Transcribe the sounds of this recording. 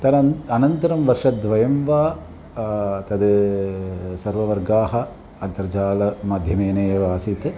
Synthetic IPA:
t̪ɐnɐnɐnt̪ɐɾɐmʋɐɾʂɐd̪ʋɐjɐmʋaː | t̪ɐd̪ɯ | sɐɾʋɐʋɐɾɡaːɦɐ | ɐɐɾd͡ʒaːlɐmɐd̪ʱjɐmeːneːɐʋaːsit̪ːɨ

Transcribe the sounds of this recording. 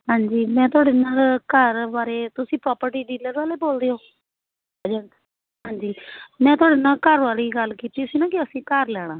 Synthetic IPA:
ɦãːɲd͡ʒiːmɛ̃ːt̪ʊaːɽeːnaːlkəɾbaːɾeːt̪ʊsĩːpɾɔːpəɾʈiːɖiːləɾʋaːleːboːld̪eːɦoː | d͡ʒ | ɦãːɲd͡ʒiːmɛ̃ːt̪ʊɦaːɽeːnaːlkəɾʋaːliːɡəlkiːt̪iːʊsiːnaːkɪəsĩːkəɾlɛːɽ̃ãː

